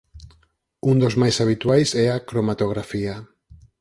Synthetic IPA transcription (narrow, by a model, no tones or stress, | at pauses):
und̪ozmajsaβ̞it̪wajsɛakɾomat̪oɣ̞ɾafia